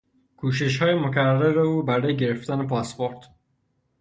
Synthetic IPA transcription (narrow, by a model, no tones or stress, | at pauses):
kʰuːʃ̬e̞ʃ̬hɒːjemocʰæræɾeuːbæɾɒːjeɟe̞ɾe̞ft̪æne̞pʰɒspo̞ɾt̪ʰ